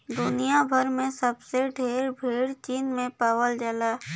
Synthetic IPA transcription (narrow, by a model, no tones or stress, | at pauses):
d̪ʊnijabʱəɾmẽsəbseɖʱeːɾbʱiːɽt͡ʃiːnmẽpaːwəld͡ʒəlaː